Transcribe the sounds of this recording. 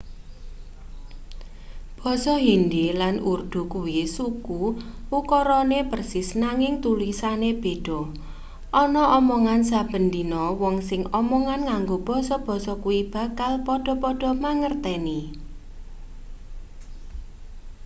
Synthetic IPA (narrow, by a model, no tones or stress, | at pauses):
b̥ɔ̤sɔɦindilanurd̪̥ṳkuwisukuukɔɾɔnepərsɪsnaŋɪŋt̪ulisaneb̥e̤ɖ̥ɔ̤ | ʔɔnɔʔɔmɔŋansab̥ə̤nd̪inɔwɔŋsɪŋɔmɔŋanŋaŋɡob̥ɔ̤sɔb̥ɔ̤sɔkuwib̥ä̤kalpɔɖ̥ɔ̤pɔɖ̥ɔ̤maŋərt̪ɛni